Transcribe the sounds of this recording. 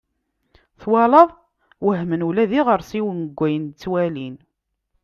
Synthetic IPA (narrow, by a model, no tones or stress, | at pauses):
θwɑləðˤ | wəɦmənulæðiʁəɾsiwənəɡʷːæjənt͡sːwælin